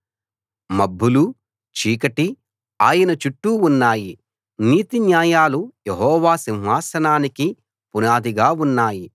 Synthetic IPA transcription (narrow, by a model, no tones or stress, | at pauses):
mɐbːulu | t͡ʃiːkɐʈi | aːjɐnɐt͡ʃuʈːuːnːaːji | niːt̪injaːjaːlujeɦɔːʋaːsinɦaːsɐnaːniki | punaːd̪iɡaːunːaːji